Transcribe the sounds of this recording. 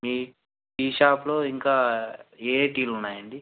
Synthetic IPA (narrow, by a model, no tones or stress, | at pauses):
miː | ʈiːʃaːplo̞ːiŋkaːeːʈiːlunːaːjɐɳɖi